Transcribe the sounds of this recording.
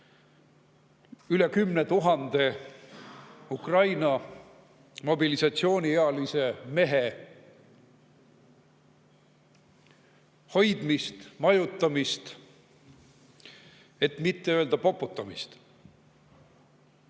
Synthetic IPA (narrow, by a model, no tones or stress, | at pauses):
yle̞kymnet̪uɦɑnd̪̥e̞ | ukrɑjnɑ | mo̞bilisɑt̪sio̞ːnʲieɑlise̞me̞ɦe | ho̞jd̪̥mist̪mɑjut̪ːˑɑmist̪ | e̞t̪mit̪ːe̞øːld̪ɑpo̞pːˑut̪ːˑɑmist̪